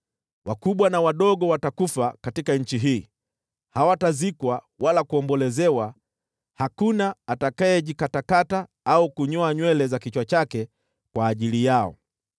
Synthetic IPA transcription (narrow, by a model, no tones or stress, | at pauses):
wakuɓwanawaɗɔɠɔwatakufakatikaɲ̩t͡ʃiɦiː | hawatazikwa | walakuɔmbɔlɛzɛwa | hakunaːtakaɛʄikatakata | aukuɲɔaɲwɛlɛzakit͡ʃwat͡ʃakɛ | kwaːʄilijaɔ̰